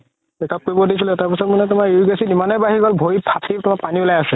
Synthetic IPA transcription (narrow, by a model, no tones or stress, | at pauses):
ɛkʰɔpibɔdisilɛtapisɔtmanɛtʊmaɹiiɡasidimanɛbaɦiɡɔlbʱoipʰatʰitʊmapanibʊlajasɛ